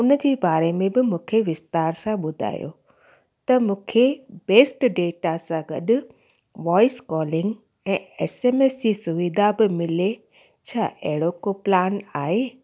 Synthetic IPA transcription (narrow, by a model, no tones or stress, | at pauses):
ʊnəd͡ʑeːbaːɾemẽbɪmũːkʰeʋɪst̪aːɾsãɓʊd̪ʱa̰ːjo̰ | t̪ɐmũːkʰebeːsʈɖeːʈasãɡɐ̰ɗʊ̆ | ʋɔːɪskɔːlɪŋɡ | ɛ̃ːeːseːmesd͡ʑisʊʋiːd̪ʱabɪmɪle | t͡ɕʰaʔɛɦɪɽokoplaːnaːɦeː